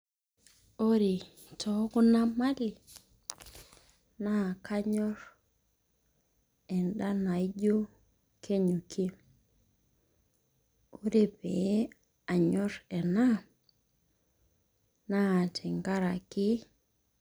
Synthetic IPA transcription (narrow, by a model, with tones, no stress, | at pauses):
o˦ɾi˨ | tʰɔ˨˦ku˦na˦ma˦li˨ | na˦˨ka˦ɲɔ˦ɾ | ɛ˨nda˦na˨i˦ɟo˦ | ke˦ɲu˨ki˦ | o˦ɾe˨pe˨˦ | a˨ɲɔ˦ɾɛ˨na˦ | na˦˨tʰi˨ŋɡa˦ɾa˨ki˦